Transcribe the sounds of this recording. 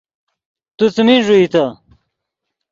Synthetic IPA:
t̪ut͡smiʐuit̪a

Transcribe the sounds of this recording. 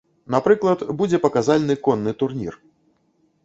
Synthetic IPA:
napɾɨklˠɐt̪bud͡zʲɛpɐkazalʲnɨkɔnːɨt̪urnʲḭr

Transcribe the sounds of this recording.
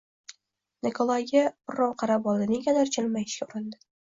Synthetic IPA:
nekʰolˠaɡʲabɪɾːɒwqʰɑɾabɒlˠd̪ɪnɪŋkʲad̪aɾt͡ʃʰɪlmajɪʃkʲaʊɾɪnd̪ɪ

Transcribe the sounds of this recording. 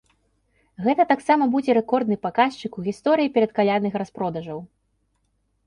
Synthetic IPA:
ɣɛt̪ɐt̪aksamɐbud͡zʲɛɾɛkɔrd̪nɨpakast͡ʂɨkuɣʲist̪ɔɾɨjipʲɛɾɐt̪kalʲanɨxɾaspɾɔd̪ɐʐɐw

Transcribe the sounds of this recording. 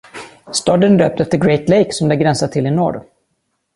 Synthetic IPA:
st̪ɔːd̪ənd̪ø̰ːp̚t̪ɛft̪əɾɡɾɛjt̪lɛjksɔmd̪ɛɡɾɛnsat̪ʰɪlːɪnɔ̰ːɖ

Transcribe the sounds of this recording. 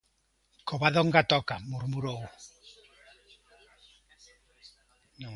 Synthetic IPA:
koβaðɔŋɡat̪ɔkamuɾmuɾow | no

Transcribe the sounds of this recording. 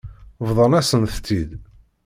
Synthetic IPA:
vðˤənæsənθt̪ːid̪

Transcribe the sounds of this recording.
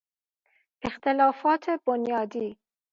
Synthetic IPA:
ʔext̪ʰelɒːfɒːt̪ʰebonjɒːd̪iː

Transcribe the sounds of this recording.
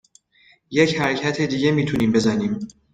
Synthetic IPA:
je̞chæɾecʰæt̪ʰe̞d̪iːɟe̞miːt̪ʰuniːmbe̞zæniːm

